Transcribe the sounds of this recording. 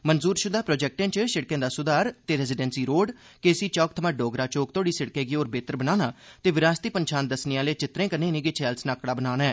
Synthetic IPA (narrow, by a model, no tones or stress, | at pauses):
mənzuːɾʃʊd̪aːpɾoːd͡ʒɛːk̚ʈẽːt͡ʃʃɪɽkẽːd̪aːsʊd̪aːɾt̪eːɾɛzɪɖɛːnsiːɾoːɖ | kesiːt͡ʃɔːk̚t̪ʰəmãːɖoːɡɾaːt͡ʃoːk̚t̪ʰoːɽiːsɪɽkẽːɡiːoːɾbeːt̪əɾbənaːnaːt̪eːʋɪɾaːst̪iːpənt͡ʃʰaːnd̪əsnɪjãːleːt͡ʃɪt̪ɾẽːkənẽːnĩːɡeːt͡ʃʰɛːlsnaːkɽaːbənaːnɛː